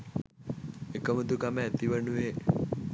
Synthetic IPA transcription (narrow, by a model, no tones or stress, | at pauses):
ekəməd̪ukameːt̪iʋənue